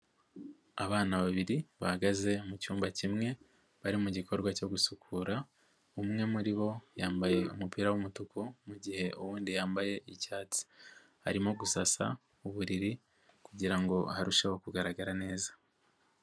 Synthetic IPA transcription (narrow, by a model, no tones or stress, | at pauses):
aβaːnaβaβiɾiβahaɡaze̞mucuːmbacimŋe̞ | βaɾimuɟikʰo̞ɾɡwaco̞ɡusukʰuːɾa | umŋe̞muɾiβo̞jaːmbaje̞umupiːɾawumutukumuɟihe̞ʔuβuːndijaːmbaje̞icaːt͡si̥ | ha̰ɾimo̞ɡusasa̰ | uβuɾiɾi | kuɟiɾaŋɡo̞haɾuʃoβoekuɡaɾaɡaɾane̞ːzḁ